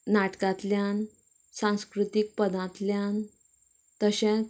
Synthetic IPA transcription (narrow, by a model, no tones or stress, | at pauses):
naʈkãt̪ljan | sãw̃skɾut̪ik̚pəd̪ãt̪ljan | t̪əɕɛ̃